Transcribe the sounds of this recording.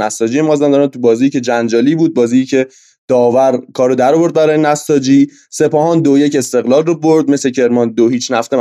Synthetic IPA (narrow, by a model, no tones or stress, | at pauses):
næst̪ɒːd͡ʒijemɒːzænd̪ɒɾnt̪ʰubɒːziːicʰe̞d͡ʒænd͡ʒɒːliːbuːd̪̚bɒːziicʰe̞ | d̪̥ɒːvæɾkʰɒːɾod̪æɾɔvo̞ɾd̪̚bæɾɒːjenæst̪ɒd͡ʒiː | se̞pɒːɦɒːnd̪ojece̞st̪e̞ɣlɒːlroboɾd̪̚me̞secʰe̞ɾmɒnd̪ohiːt͡ʃnæft̪e